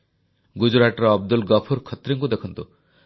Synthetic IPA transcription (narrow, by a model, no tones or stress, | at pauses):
ɡud͡ʒuɾaʈɾɔɔb̚d̪ulɡɔpʰuɾkʰɔt̪ɾiŋkud̪ekʰɔnt̪u